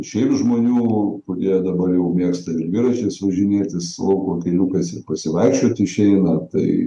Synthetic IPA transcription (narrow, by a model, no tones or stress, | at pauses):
ʃʲɛɪmʒmoːnʲuːpʊdʲeːjod̪ɐbɐrjɛʊmʲiːkst̪ɐɪɾʋʲɪɾɐʃʲeːsʋɐʒʲɪnʲeːt̪ʲɪslˠɐʊkoːkʲɛɪlʲuːkɐsɪpɐsʲɪʋɐɪkʃʲt͡ʃʲoːt̪ʲɪʃʲɛɪnɐt̪ɐɪ